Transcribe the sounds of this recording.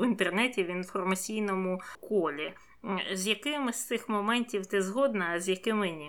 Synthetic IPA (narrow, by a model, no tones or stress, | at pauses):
wɪnt̪ernɛtʲiwinfɔrmɐt͡sʲijnɔmʊkɔlʲi | zʲjɐkɪmɪst̪sɪxmɔmɛnʲtʲiwt̪ɪzɦɔd̪nɐːzʲjɐkɪmɪnʲi